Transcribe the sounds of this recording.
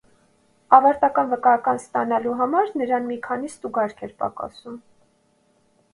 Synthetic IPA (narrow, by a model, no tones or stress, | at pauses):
ɑvɑɾt̪ɑkɑnvəkɑjɑkɑnst̪ɑnɑluɦɑmɑɾnəɾɑnmikʰɑnist̪uɡɑɾkʰɛɾpɑ̰kɑ̰sum